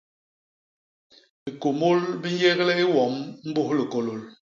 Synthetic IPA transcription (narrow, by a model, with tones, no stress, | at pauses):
bi˨ko˨mo˦lbi˦n˦jɛ˦ɣlɛ˦i˦wɔ˨˦mm̩˦bo˦hli˨ko˨lo˨l